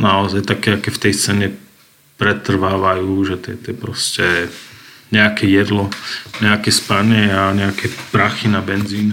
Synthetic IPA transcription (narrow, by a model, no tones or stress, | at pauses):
naɔzajt̪akɛakɛːft̪ɛjst͡sɛːɲɛ | pɾɛt̪r̩ʋaːʋajuːʒɛt̪ɛt̪ɛpɾɔscɛ | ɲɛakɛjɛd̪lɔɲɛakɛspaɲɛaɲɛakɛpɾaxinabɛnziːn